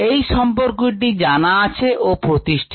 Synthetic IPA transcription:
ejʃɔmpoɾkoʈid͡ʑanaat͡ɕʰeʔopɾot̪iʃʈʰi̥

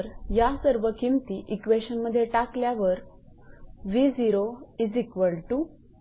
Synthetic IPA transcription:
ɾjasəɾʋəkimt̪iːʔikʋeɕənməd̪ʱːjeʈakljaʋəɾ | ʋid͡ziɾoid͡zikʋəlʈu

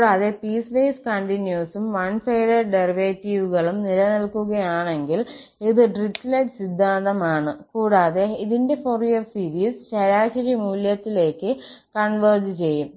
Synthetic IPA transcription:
kɽaːðe̞piːsʋejskɐɳʈinjuːsumʋɐnfejɽɐɖeriʋeːtːiʋuɣɐɭumnilɐnilkuɣɐjaːɳe̞ŋɡiliðɨɖrisleɖsid̪ʱːaːnd̪ɐmaːɳɨkuːɽaːðe̞iðinde̞forijɐrsiɾiːsɕɐɾaːɕɐɾimuːljɐt̪ːile̞ːkːɨkɐɳʋɐrd͡ʑɨt͡ɕe̞jːum

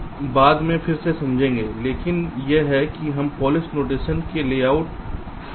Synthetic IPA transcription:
baːd̪mẽfʰɪɾsesɐ̃md͡ʒʱẽːŋɡeːleːkɪnjeɦɛkiɦɐmpɔːlɪsnoːʈ̬eːʃənkeleːaːʊʈ̚

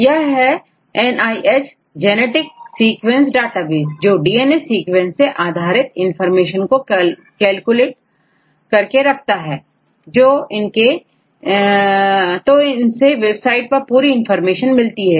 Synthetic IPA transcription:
jɐɦɛ | ɛnaːiʔeːt͡ʃ | d͡ʒɛneʈɪksiːkʋẽnsɖaːʈaʋiːzd͡ʒoːɖiːeːnesiːkwɛ̃nseʔaːd̪ʱaːɾɪt̪ɪ̃nfəɾmeːʃənko | kɛːlkʊleːʈ | kɐɾkeɾɐkʰt̪aɦɛː | d͡ʒoːɪnke | t̪oɪnseʋebsaːɪʈ̚pɐɾpuːɾiɪnfəɾmeːʃənmɪlt̪iɦɛː

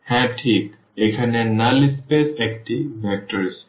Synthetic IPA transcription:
hɛ̃tʰik | ekʰanɛnalispesɛk̚tibʱɛk̚təɹs

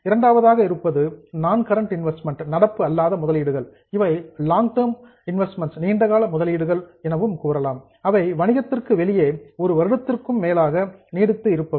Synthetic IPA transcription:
ɪɾɐɳɖaːʋɐðaːɣɐɪɾɯpːɐðɯnaːnkɐɾɐɳʈɪnʋɛsʈmɛɳʈnɐɽɐpːɯɐlːaːðɐmʊðɐliːɽɯɣɐɭ | ɪʋɐɪlaːŋɡʈɐɾm | ɪnʋɛsʈmɛɳʈsniːɳɖɐɣaːlɐmʊðɐliːɽɯɣɐɭɛnɐʋɯmkuːɾɐlaːm | ɐʋɐɪʋɐɳɪɣɐt̪ːɪrkɯʋɛlɪjeːɔɾɯʋɐɾɯɽɐt̪ːɪrkɯmːeːlaːɣɐniːɽɯt̪ːɯɪɾɯpːɐ

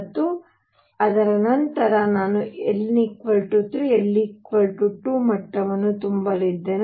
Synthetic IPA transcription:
t̪ːu | ɐd̪ɐɾɐnɐnt̪ɐɾɐnaːnuelnikʋɐlʈuʈ̪ɾuelːikʋɐlʈuʈːumɐʈːɐʋɐnːut̪umbɐlid̪ːeːn

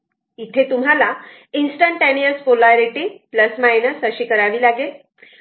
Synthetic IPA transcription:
it̪ʰet̪um̤ɦala | insʈəɳʈenijəspolajɾiʈiːpləsmajnəsəɕiːkəɾaʋiːlaɡel

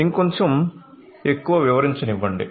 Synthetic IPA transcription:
iŋkoɲt͡ʃɐm | e̞kːuʋɐʋiʋɐɾiɲt͡ʃɐniʋːɐɳɖḭ

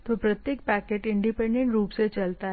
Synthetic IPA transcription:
t̪opɾɐt̪jek̚pɛːkeʈɪ̃ɳɖɪpẽɳɖẽɳʈɾuːpset͡ʃɐlt̪aɦ

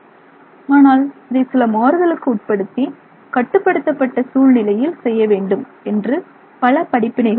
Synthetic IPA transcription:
aːnaːlɐðɐɪsɪlɐmaːɾɯɣɐɭɯkːɯʊʈ̚pɐɽɯt̪ːi | kɐʈːɯpːɐɽɯt̪ːɐpːɐʈːɐsuːɻnɪlɐjɪlsɛjːɐʋeːɳɖɯm | ɛndrɯ | pɐlɐpɐɽɪpːɪnɐɪɣɐɭ

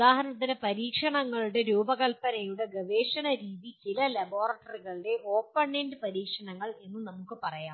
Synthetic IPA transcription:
d̪aːhɐɾɐɳɐt̪̬ːine̞pɐɾiːkʂɐɳɐŋːɐɭuɽe̞ɾuːbɐɣɐlpɐnɐjuɽe̞ɡɐʋeːʂɐnɐɾiːðit͡ɕilɐlɐboːrɐʈːɐriɣɐɭiɽe̞ʔo̞ːpːɐɳːendɨpɐɾiːkʂɐɳɐŋːɐɭe̞nːɨnɐmukːɨpɐrɐjaː

